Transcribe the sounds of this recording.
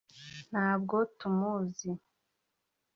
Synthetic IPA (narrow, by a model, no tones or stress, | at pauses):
n̥haːb̚ɡotumuzi